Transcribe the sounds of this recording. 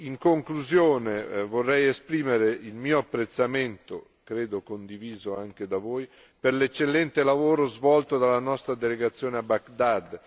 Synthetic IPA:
iŋkoŋkluzjoːnevorːɛjespɾiːmeɾeilmiːoapːɾet̪sːament̪o̰ | kɾeːd̪okond̪iviːzoaŋk̟ed̪avoːj | peɾlet͡ʃːelːɛnt̪elavoːɾozvɔlt̪od̪alːanɔst̪ɾad̪eleɡat̪sːjoːneabakd̪ad̪

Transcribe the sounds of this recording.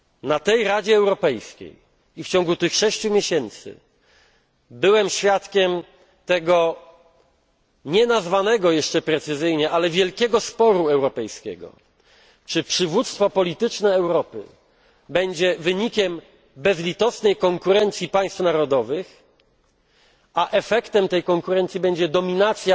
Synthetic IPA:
nat̪ɛjɾad͡ʑɛːwɾɔpɛjskʲḛj | ift͡ɕɔ̃ŋɡut̪ɘxʂɛɕt͡ɕumʲjeɕɛnt̪sɘ̰ | bɘwɛmɕfʲjat̪kʲɛm | t̪ɛɡɔ | ɲɛnazvanɛɡɔjɛʂt͡ʂɛpɾɛt̪sɘzɘjɲɛʔalɛvʲjɛlkʲɛɡɔspɔɾuɛwɾɔpɛjskʲɛ̰ɡɔ̰ | t͡ʂɘpʂɘvut̪st̪fɔpɔlʲit̪ɘt͡ʂnɛːwɾɔpɘ̰ | bɛɲd͡ʑɛvɘɲikʲɛm | bɛzlʲit̪ɔsnɛjkɔŋkuɾɛnt̪sʲjipaj̃st̪fnaɾɔd̪ɔvɘx | aʔɛfɛkt̪ɛmt̪ɛjkɔŋkuɾɛnt̪sʲibɛɲd͡ʑɛd̪ɔmʲinat̪sʲja

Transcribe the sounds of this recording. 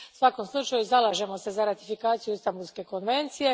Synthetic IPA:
sʋako̞mslˠut͡ʃajuzalˠaːʒe̞mo̞se̞zaɾat̪ifikaːt̪ijuist̪ambulˠske̞ko̞nʋe̞nt̪sije̞

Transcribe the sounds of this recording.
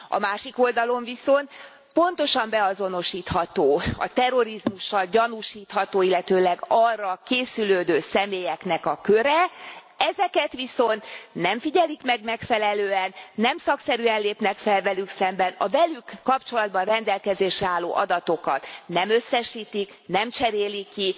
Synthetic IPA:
ɒ̰maːʃiko̞ld̪ɒlo̞ɱviso̞nt̪ | po̞nt̪o̞ʃɒmbɛɒzo̞no̞ʃiːt̪hɒt̪oːɒ̰t̪ɛɾo̞ɾizmuʃːɒlɟɒnuʃiːt̪hɒt̪oːilːɛt̪øːlɛɡɒrːɒkeːsyløːd̪øːsɛmeːjɛknɛkɒkø̞ɾɛ | ɛzɛkɛt̪ʋiso̞nt̪nɛɱfiɟɛlikmɛɡmɛkfɛlɛløːɛnːɛmsɒksɛɾyɛnleːpnɛkfɛlvɛlyksɛmbɛnɒ̰vɛlykːɒpt͡ʃo̞lɒd̪̚bɒnrɛnd̪ɛlkɛzeːʃrɛaːlːo̰ːʔɒ̰d̪ɒt̪o̞kɒt̪nɛmø̞sːɛʃiːt̪ik | nɛmt͡ʃɛɾeːlikːi

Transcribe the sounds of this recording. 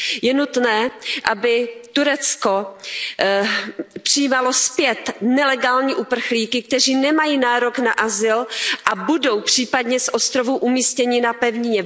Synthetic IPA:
jɛnut̪nɛːʔabɪt̪uɾɛt͡sko̞ | pr̥ɪjiːmalo̞spjɛt̪nɛlɛɡaːlɲiːʔupr̩xliːkɪk̚t̪ɛriːnɛmajiːnaːɾoknaʔazɪlʔabudo̞wpr̝̥iːpadɲɛsʔo̞st̪ɾo̞vuʔumiːscɛɲɪnapɛvɲɪɲɛ

